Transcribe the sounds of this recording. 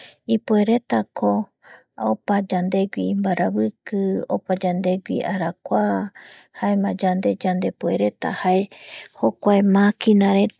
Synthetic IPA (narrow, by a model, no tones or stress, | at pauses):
ipue̞ɾe̞t̪akʰo | opad͡ʒand̪e̞ɡʷimbaɾaβɨkɨo̰pad͡ʒand̪e̞ɡʷḭaɾakʷa | haemãd͡ʒand̪e̞d͡ʒand̪e̞pueɾe̞t̪a̰haeho̞kʷaemakinãɾe